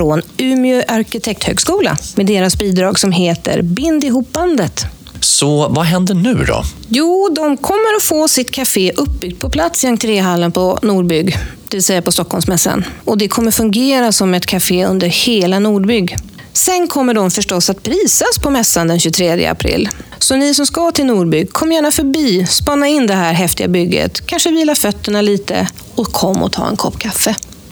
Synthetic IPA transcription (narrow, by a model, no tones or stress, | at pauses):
fɾonʉːmɪɵʔaɾkɪt̪ʰɛk̚t̪hø̰ːɡskuːla̰meːd̪eːɾasbiːd̪ɾɑːɡsɔmɦeːt̪ə̰ɾbɪnd̪ɪɦuːpːand̪ət̪ | sɔvaɦɛnd̪əɳʉ̟ːd̪ɔ̰ | juːd̪ɔmkʰɔmːəɾɔfoːsɪt̪kʰafeːʔɵp̚ːbʏɡ̚d̪̚pʰɔpʰlat̪sɪaŋt̪ʰɪɾeːɦalːənpʰɔnuːɖbʏɡd̪̥ɛvɪlsɛjːapʰɔst̪ɔkhɔlmsmɛsːa̰nɔd̪ɛkʰɔmːəɾfɵŋɡeːɾasɔmɛt̪kʰafeːɵ̰nd̪əɾheːlanuːɖbʏɡː | sɛnkʰɔmːəɖɔmfœʂʈɔsːat̪̚pʰɾiːsaspʰɔmɛsːand̪ɛnɕɵt̪ʰɾeːd̪jə̰a̰pʰɾɪ̰lː | sɔnɪsɔmskat̪ʰɪlnuːɖbʏɡkʰɔmːəjæːɳafœbiːspanːaɪnd̪ɛɦæːɾɦɛft̪ɪɡa̰bʏɡːə̰t̪kʰanʂəviːlafœt̪ːəɳaliːt̪ə̰ | ɔkʰɔmːɔ̰t̪ʰɑ̰ːɛ̰nkʰɔpːkʰafːə